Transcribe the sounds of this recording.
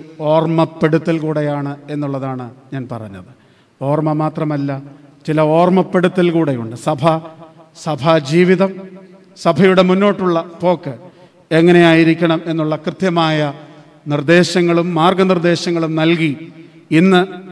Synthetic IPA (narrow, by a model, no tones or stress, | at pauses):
o̞ːrmɐpːeɽut̪ːilkuːɽe̞jaːɳɨe̞nːuɭːɐðaːɳɨɲaːnpɐ̰rɐ̰ɲːɐ̰ðɨ | o̞ːrmɐmaːt̪rɐmɐlːɐt͡ɕilɐo̞ːrmɐpːe̞ɽut̪ːilkuːɽejuɳɖɨsɐbʱɐ | sɐbʱɐd͡ʑiːʋiðɐm | sɐbʱɐjuɽe̞munːo̞ːʈːuɭːɐpo̞ːkːɨ | e̞ŋːɐne̞jaːjiɾikʲːɐɳɐme̞nːuɭːɐkrɨt̪jɐmaːjɐ | nird̪e̞ːɕɐŋːɐɭumːaːrɡɐnird̪e̞ːɕɐŋːɐɭumnɐlki | inːɨ